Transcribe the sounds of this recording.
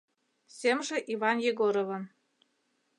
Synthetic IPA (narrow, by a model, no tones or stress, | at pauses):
sʲemʒĕʔivɑnjeɡoɾovɤ̆n